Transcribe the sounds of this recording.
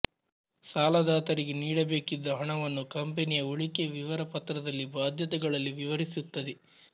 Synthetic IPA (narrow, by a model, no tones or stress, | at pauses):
saːlɐd̪aːt̪ɐɾiɡeniːɽɐbe̞ːkid̪ːɐɦɐɳɐʋɐnːukɐmpenijɐuɭike̞ʋiʋɐɾɐpɐt̪ːɾɐd̪ɐlːibaːd̪ʱjɐt̪ɐɡɐɭɐlːiʋiʋɐɾisut̪ːɐd̪e